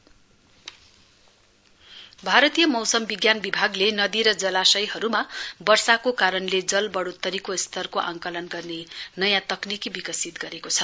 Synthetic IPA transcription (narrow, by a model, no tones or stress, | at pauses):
bʱaɾʌt̪ijʌmʌwsʌmbiɡjanbibʱaɡlenʌd̪iɾʌd͡zʌlasʌjhʌɾumabʌrsakokaɾʌnled͡zʌlbʌɽot̪ːʌɾikost̪ʰʌrkoʔaŋkʌlʌnɡʌrnenʌjãt̪ʌknikibikʌsit̪̚ɡʌɾekot͡sʰʌ